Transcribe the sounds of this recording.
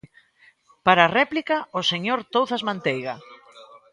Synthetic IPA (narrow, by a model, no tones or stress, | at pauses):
paɾarɛplikɐoseɲoɾt̪owθazmãnt̪ejɣɐ